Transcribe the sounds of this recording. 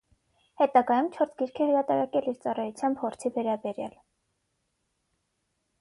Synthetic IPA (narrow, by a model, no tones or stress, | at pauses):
hɛt̪ɑɡɑjumt͡ʃʰɔɾsʰɡiɾkʰɛhɾɑt̪ɑɾɑkɛliɾt͡sɑrɑjut͡sʰjɑmbhɔɾt͡sʰivɛɾɑbɛɾjɑ̰l